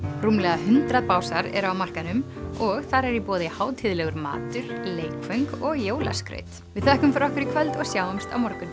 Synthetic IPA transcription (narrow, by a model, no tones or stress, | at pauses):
rumlɛɣaɦʏnt̪ɾaðpaːwsaɾɛ̰ɾawmar̥kanʏm | ɔɣθaɾɛɾipɔːðɪhaːwt̪ʰɪðlɛɣʏɾma̰ːt̪ʏɾ̥leːjkfœɥŋkɔɣjoːwla̰skɾḛːɥjt̪ | vɪðθɛhkʏmfaɾɔhkvɪɾikʰvœlt̪ɔɣsjaːwɛmst̪a̰wmɔɾkʏn